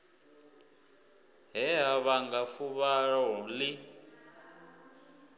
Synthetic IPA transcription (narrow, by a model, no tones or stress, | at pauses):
ɦɛɦaβaŋɡafuβaɺɔli